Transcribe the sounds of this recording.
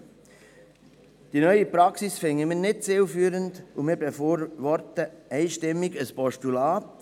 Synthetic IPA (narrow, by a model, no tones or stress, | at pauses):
d̥inœʏipɾɑksisfɪŋəmɪːnɪt̚t͡sɪlfyːɾəndumɪːɾbefoːɾʋɔɾtəɛɪʃtɪmːɪɡəspɔʃtulɑːt